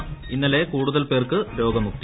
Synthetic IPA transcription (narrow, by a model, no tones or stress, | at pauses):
inːɐle̞kuːɽuðɐlpe̞ːrkɨɾo̞ːɡɐmuk̚t̪i